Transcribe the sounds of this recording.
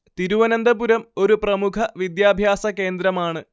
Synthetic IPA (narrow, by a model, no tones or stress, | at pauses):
t̪iɾuʋɐnɐnd̪ɐpuɾɐmo̞ɾuprɐmukʰɐʋid̪jaːbʱjaːsɐke̞ːnd̪ɾɐmaːɳɨ